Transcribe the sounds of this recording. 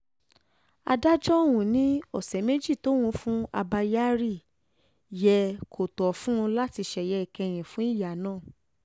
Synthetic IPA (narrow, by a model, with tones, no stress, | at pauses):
a̰˧da˦d͡ʒɔ˦wũ˨nĩ˦ɔ˦˨sɛ˨˦me˦d͡ʒi˦˨to˦w̃ũ˧˦fũ˦a̰˧ba˧ja˦ɾi˦˨ | jɛ˧kʰo˨tɔ˨fũ˦ũ˧la˦ti˧ʃɛ˨jɛ˨˦i˨kɛ˧j̃ɛ̃˨fũ˦i˦˨ja˨nãː˦˨